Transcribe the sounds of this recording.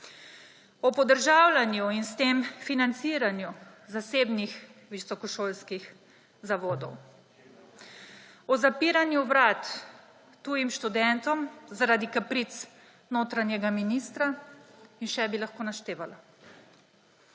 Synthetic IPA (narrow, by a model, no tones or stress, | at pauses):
ɔpɔd̪əɾʒaːwlanjuinst̪eːmfinant̪siːɾanjuzaseːbnixʋisɔkɔʃoːlskix | zaʋoːd̪ɔw | ɔzapiːɾanjuʋɾaːt̪ː | uːjimʃt̪ud̪ɛnt̪ɔmzaɾaːd̪ikapɾit̪s | noːt̪ɾanjɛɡaminist̪ɾainʃɛbilaxkoːnaʃt̪eːʋala